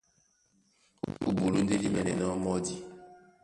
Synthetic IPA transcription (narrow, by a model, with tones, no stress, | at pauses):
ṵ˨bu˨lu˨˦n̩˦de˦di˦mɛ˨nɛ˨nɔ˦mɔ˦di˦